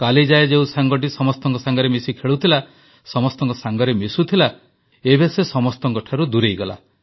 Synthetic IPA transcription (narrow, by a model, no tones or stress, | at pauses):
kalid͡ʒaed͡ʒeũsaŋɡɔʈ̬isɔmɔst̪ɔŋkɔsaŋɡɔɾemisikʰeɭut̪ʰila | sɔmɔst̪ɔŋkɔsaŋɡɔɾemisut̪ʰila | ebesesɔmɔst̪ɔŋkɔʈʰaɾud̪uɾejɡɔla̰